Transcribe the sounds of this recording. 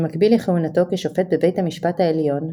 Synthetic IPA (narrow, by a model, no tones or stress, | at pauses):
makbileχehunato̞keʃofet̪̚bebe̞jthamiʃpathaeljo̞n